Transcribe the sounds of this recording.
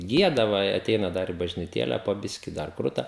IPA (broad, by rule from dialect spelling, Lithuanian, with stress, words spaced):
ˈɡʲiɛdɐ ʋɐ ɪ ɐˈtʲɛɪnɐ ˈdɐr ɪ bɐʒʲnʲɪˈtʲeːlʲɛ poː ˈbʲɪʃʲkʲɪ dɐr ˈkrʊtɐ